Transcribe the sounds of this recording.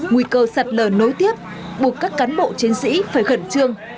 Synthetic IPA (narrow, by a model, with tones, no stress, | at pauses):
ŋui˧˩kəː˧sa˨˩t̚ləː˨˩no˨˦jt̪i˦˥əp̚ | ɓu˨˩ək̚kːaː˦˥kːaː˨˦nɓo̰˧˨t͡ɕi˨˦nsḭ˧˥faː˧˩jɣə˧˩nt͡ɕɨ˧əŋ